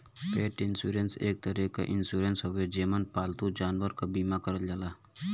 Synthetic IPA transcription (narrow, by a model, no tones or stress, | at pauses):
peːʈɪnsuːɾenseːk̚t̪əɾika̰ʔɪnsuːɾensɦowed͡ʒeːmənpaːlt̪ud͡ʒaːnwəɾkabiːmakəɾəld͡ʒalaː